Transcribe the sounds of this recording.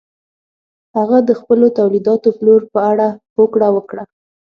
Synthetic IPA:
haɣad̪əxpəlot̪awlid̪ɑt̪oploɾpəaɽahokɽawəkɽa

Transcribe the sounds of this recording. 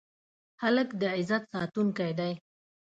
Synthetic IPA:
haləkd̪əɪzat̪sɑt̪unkajd̪aj

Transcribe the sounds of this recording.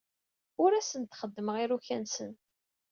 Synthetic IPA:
ʊɾæsənt̪χəd̪ːəməʁiɾuçænsə̰n

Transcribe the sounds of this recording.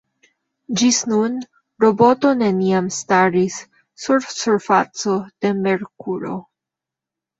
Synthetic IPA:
d͡ʒisnun | ɾobo̞to̞ne̞niamstaɾisː | uɾsuɾfa̰t͡so̞d̪̥e̞me̞ɾkuɾo̰

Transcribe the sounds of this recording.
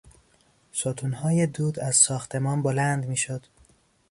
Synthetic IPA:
sot̪ʰuːnhɒːjed̪uːd̪æzsɒːxt̪ʰe̞mɒːnbolænd̪miːʃod̪̥

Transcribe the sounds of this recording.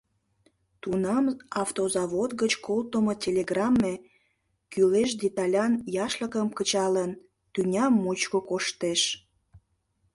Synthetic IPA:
t̪unɑmɑft̪ozɑβot̪ɣət͡ɕkolt̪omotʲelʲeɡrɑmːe | kyleʃ̬d̪ʲet̪ɑlʲɑnjɑʃləkəmkət͡ɕɑlən | t̪ynʲɑmːot͡ɕkokoʃt̪eʃ

